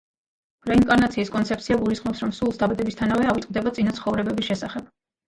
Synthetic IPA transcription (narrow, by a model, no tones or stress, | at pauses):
b̥ɾaiŋkʼaɾnat̪sʰiːskʼɔnt̪sʰɛp̪̚sʰiaɡulisχmɔpsɾɔmsulˠsd̪abad̪ɛbist̪ʰanavɛavit̪ʼqʼd̪ɛbat̪sʼinat̪sʰχɔvɾɛbɛbisʃɛsaχɛb̥